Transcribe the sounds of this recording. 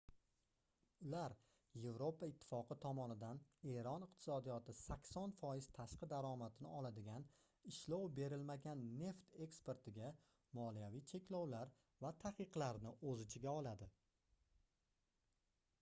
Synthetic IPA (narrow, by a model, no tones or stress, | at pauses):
ʊlaɾ | je̞vɾo̞pʰaɪt̪ʰːɪ̥fɒqʰɨt̪ʰɒmɒnɪd̪ane̞ɾɒnɪq̚t̪ʰɪ̥sɒd̪ijɒt̪ʰɪsakʲsɒnfɒjɪz̥t̪ʰaʃqɨd̪aɾɒmat̪ʰɪnɪɒlad̪ɪɡʲan | ɪʃlowbe̞ɾɪlmaɡʲanːe̞ft̪ʰe̞kspe̞ɾt̪ʰɪɡʲa | mɒlijavijt͡ʃʰe̞kʲlɒwlaɾ | vat̪ʰaqɨqlaɾnɪʔɵzɪt͡ʃʰɪɡʲaɒlˠad̪ɪ